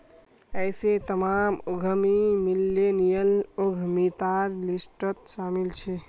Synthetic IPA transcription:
əjset̪əmamoɡʱəmimilːenijəloɡʱəmit̪aɾlisʈət̪samilt͡ʃʰɛ

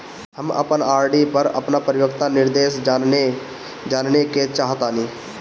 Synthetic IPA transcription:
ɦəmə̰pənaːɾɖipəɾə̰pnapɾjoːɡt̪anɪɾd̪eːʃaːne | d͡ʒaːnneket͡ʃaːɦt̪aːnĩː

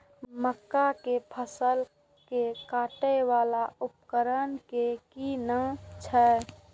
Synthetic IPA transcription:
məkːakepʰəsəl | kekaːʈəwaːlaʊp̚kəɾənkekinət͡ʃʰɛ

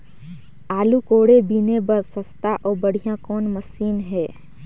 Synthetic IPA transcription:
aːlukoːɽebinebəɾsəst̪aʔɔːbəɽ̤ijãkɔːnməsiːnɦɛː

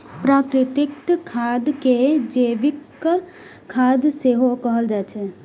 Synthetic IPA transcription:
pɾaːkɾɪt̪ɪktkʰːaːd̪ked͡ʒeʋɪk | kʰːaːd̪seɦokəɦəld͡ʒat͡ʃʰe

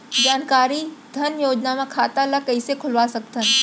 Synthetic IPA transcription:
d͡ʑaːnkaːɾid̪ʱɐnjoːd͡ʒnamãkʰaːt̪alɐkɐisekʰʊlʋasɐk̚t̪ʰənɪ̆

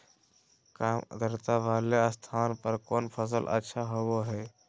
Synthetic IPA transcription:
kamd̪əɾt̪aʋaːleəst̪ʰaːnpəɾkoːnpʰəs̬əlʔə̰tːʃʰaɦoʋoɦɛː

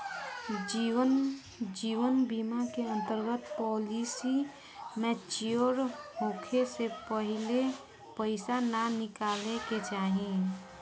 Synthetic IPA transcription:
iə | d͡ʒiːʋənbimakeə̃nt̪əɾɡət̪pɔːlisi | mẽt͡ʃijoɾɦokʰesepəɦɪle | pəɪsananɪkaːleket͡ʃaːɦĩ

